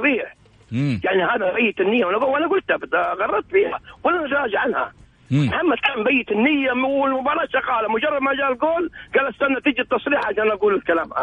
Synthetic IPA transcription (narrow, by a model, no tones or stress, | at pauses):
ɾiːħ | jaʕnihaːðabajːɪt̪ɪnːɪjːawanaɡuwalːaɡʊlt̪abɪt̪ɣɑrˤːɑɾˤt̪biːha̰walːanat̪ɾˤɑːd͡ʒaʕanha̰ | mħamːat̪ambajːɪt̪ɪnːɪjːamwɪlmʊbɑːɾˤɑːʃɑqɑːlamʊd͡ʒɑrˤːɑd̪mad͡ʒaːllɡoːlɡaːlːast̪anːat̪ɪd͡ʒit̪ːɑsˤɾiːħʕaaʃanʔaɡuːlɪlkalaːmʔa̰